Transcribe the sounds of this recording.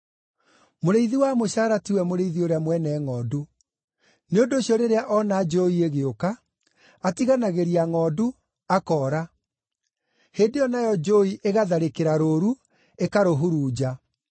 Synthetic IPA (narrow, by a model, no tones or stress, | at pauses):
moɾeiðiwaːmoɕaːɾatiwɛmoɾeiðioɾeamwɛnɛːŋɔːdu | neondoːɕjɔɾeɾeaʔɔnad͡ʒoieɣeokaː | tiɣanaɣeɾiaŋɔdu | akɔːɾa | heːndejɔnajɔd͡ʒoiʔeɣaðaɾekeɾaɾoːɾu | ekaɾoɦuɾuːd͡ʑa